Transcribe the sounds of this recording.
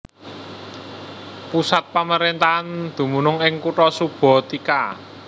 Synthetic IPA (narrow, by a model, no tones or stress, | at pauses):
pusat̪̚paməɾent̪and̪̥ṳmunʊŋɪŋkuʈɔsub̥ɔ̤t̪ika